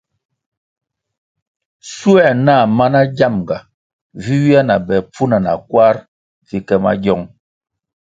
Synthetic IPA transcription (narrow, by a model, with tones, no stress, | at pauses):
su˦ɛ˦˨na˦˨ma˦na˦ɟa˦˨mɡa˨ | vi˦wi˦a˦na˨bɛ˨p͡fu˦na˨na̰˨kwa˦ɾ | vi˨kɛ˦ma̰˦ɟjɔ˦ŋ